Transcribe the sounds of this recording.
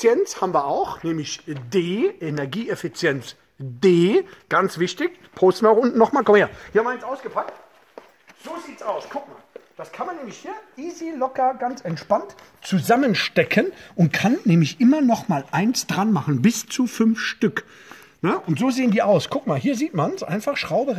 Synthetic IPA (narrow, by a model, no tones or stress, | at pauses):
jɛnt͡shaːbmviːɐʔaʊxnɛːmlɪçdeːʔenɛɐɡiːefit͡sjɛnt͡s | deːɡ̥ant͡sv̥ɪçtɪç | pʰoʊstn̩iaʊxʊntnɔχmaːlkɔmeːɐhiɐhamɐʔaɪnsaʊsɡ̥əpʰak̚t | z̥oːziːtsaʊskʰʊk̚ma̰ːld̥askʰanmanːɛːmlɪçhiːɐʔiːzilɔkɐɡant͡sɛntʃpant | t͡suzamənʃtɛkʰənʔʊnt̚kʰanːɛːmlɪçʔɪmɐnɔχmaːlʔaɪnsd̥ʁanmaχn̩bɪst͡sufʏnfʃtʏk | nəʔʊntz̥oːzeːəndiːʔaʊskʰʊk̚maːlɦiːɐziːtmansʔa̰ɪnfaχʃʁ̥aʊbə